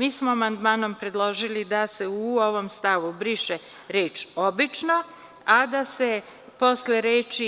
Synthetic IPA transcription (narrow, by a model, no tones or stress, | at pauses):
miːsmoamand̪maːno̞mpɾe̞d̪lˠo̞ʒilid̪ase̞uoʋo̞mst̪aʋubɾiʃe | ɾe̞ːt͡ʃo̞bit͡ʃno̞ | ad̪ase̞ | po̞sleɾeːt͡ʃi